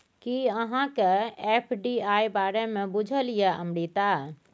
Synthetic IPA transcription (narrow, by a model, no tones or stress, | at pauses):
kiəɦãkeeːpʰɖiaːjbaːɾemẽbʊd͡ʒʱəlijəəmɽit̪aː